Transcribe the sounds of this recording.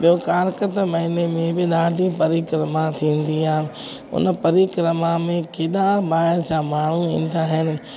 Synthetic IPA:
ɓijokaːɾkət̪mɐɦinemẽbɪɗaːɖʱipɐɾiːkɾəmat̪ʰĩːnd̪iaːɦɪn | ʊ̰nəpɐɾiːkɾəmamẽkeːɗãbaːɪɾt͡ɕãːmaːɳ̤uĩːn̆d̪aːɦɪnɪ̆

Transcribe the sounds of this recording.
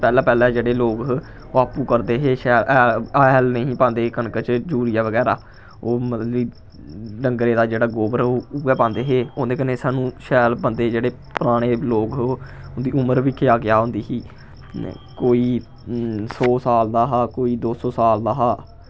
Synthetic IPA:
pɛːlaːpɛːlɛːd͡ʒeːɽeːloːk | ʋaːpũːkəɾd̪eːɦeːʃɛːɾʔlnəĩːpãːnd̪eːkənkət͡ʃd͡ʒuːɾiːaːʋəɡɛːɾa̰ː | oːmət̪liː | ɖəŋɡɾeːd̪aːd͡ʒeːɽaːɡoːbəɾoːʊɛːpãːnd̪eːɦeːõːd̪eːkəneːsaːnũːʃɛːlbənd̪eːd͡ʒeːɽeː | pɾaːɽ̃eːloːkʊnd̪iːʊməɾʋiːkʰeaːɡɪjaːɦʊ̃nd̪iːsiː | koːiː | sɔːsaːld̪aːɦaːkoːiːd̪oːsɔːsaːld̪aːɦaː

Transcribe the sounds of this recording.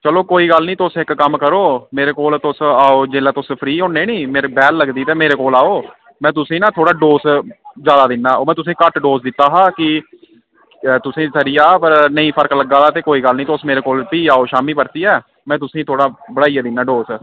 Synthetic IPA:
t͡ʃəloːkoːiːɡəlnĩːt̪ʊsɪkːəmkəɾoːmeːɾeːkoːlt̪ʊsaːoːd͡ʒeːlaːt̪ʊspʰɾiːɦõːnːeːnĩːmeːɾebɛːlːəɡd̪iːt̪eːmeːɾeːkoːlaːoː | mɛ̃ːt̪ʊsĩːnãːt̪ʰoːɽaːɖoːsd͡ʒaːd̪aːd̪ɪnːaːoːmɛ̃ːt̪ʊs̬ĩːkəʈɖoːsd̪ɪt̪ːaːɦaːkɪ | t̪ʊsĩːsəɾiːaːpəɾnəĩːpʰəɾkləɡaːd̪aːt̪eːkoːiːɡəlnĩːt̪ʊsmeːɾeːkoːlpiːaːoːʃaːmiːpəɾt̪iːɛː | mɛ̃ːt̪̬ʊsĩːt̪ʰoːɽaːbəɽaːijaːd̪ɪnːaːɖoːs

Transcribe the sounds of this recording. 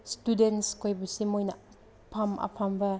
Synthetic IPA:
studenskʰojbusimojnɐ | pʰamɐ̰pʰambɐ

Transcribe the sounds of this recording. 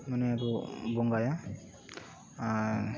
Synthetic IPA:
manɛaɾubɔŋɡaja

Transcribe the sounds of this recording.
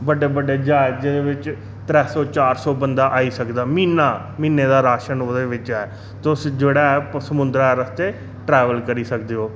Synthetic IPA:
bəɖeːbəɖeːd͡ʒaːɪd͡ʒɪd̪eːʋɪt͡ʃ | t̪ɾɛːsɔːt͡ʃaːɾsɔːbənd̪aːʔaːiːsəkd̪aːmiːnaː | miːneːd̪aːɾaːʃənoːd̪eːʋɪt͡ʃɛː | t̪osd͡ʒeːɽaːɛːpsəmʊnd̪ɾaɛːɾəst̪eː | ʈɾɛːʋəlkəɾiːsəkd̪eːɦoː

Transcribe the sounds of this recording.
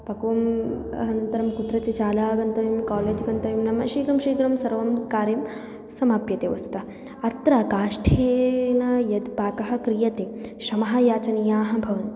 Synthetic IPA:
pɐkɐʋɐm | ɐnɐnt̪ɐɾɐmkut̪ɾɐt͡ʃit͡ʃaːlaːɡɐnt̪ɐʋimkaːleːd͡ʒɡɐnt̪ɐʋimnɐmɐʃiːɡɾɐmʃiːɡɾɐmsɐɾʋɐmkaːɾjɐm | sɐmaːpjɐt̪eːʋɐst̪u̥t̪ɐ | ɐt̪ɾɐkaːʂʈʰeːnɐjɐd̪paːkɐɦɐ̆kɾijɐt̪eːʃɐmɐɦɐjaːt͡ʃɐnijaːɦɐ̆bʱɐʋɐn

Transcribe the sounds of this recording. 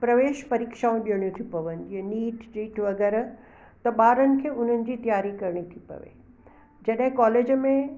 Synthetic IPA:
pɾɐʋeːʃpɐɾiːkʃaːũɗiəɽ̃jũt̪ʰipɐʋənɪ̆d͡ʑiɦɐ̃niːʈd͡ʑiːʈʰʋɐɡɛːɾ | t̪ɐɓaːɾənɪ̆kʰeːʊn̤ənɪ̆d͡ʑiːt̪ɐjaːɾikɐɾɽ̃it̪ʰipɐ̰ʋḛ | d͡ʑɐɗɦɪ̃kaːleːd͡ʑmẽ

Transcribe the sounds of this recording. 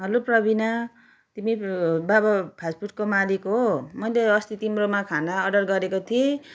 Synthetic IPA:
ɦʌluprʌbina | t̪imibabapʰaspuʈkomalikɦomʌjleʌst̪it̪imromakʰanaʌɖʌrɡʌɾekot̪ʰie

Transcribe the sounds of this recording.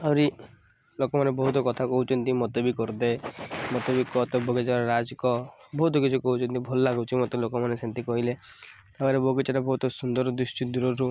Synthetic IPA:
awɾi | lokɔmanebɔɦut̪ɔkɔt̪ʰakɔɦut͡ʃʰɔnt̪imɔt̪ɔbikɔɾd̪emɔt̪ɔbikɔt̪ɔbɔɡed͡ʒaɾaɾad͡ʒkɔbɔɦut̪ɔkit͡ʃʰukɔɦut͡ʃʰɔnt̪ibʱɔlɔlaɡɔt͡ʃʰimɔt̪elokɔmanesent̪ikɔɦile | t̪abaɾeboɡit͡ʃaɾebɔɦut̪ɔsund̪ɔɾɔd̪ɾisʈid̪uɾɔɾu

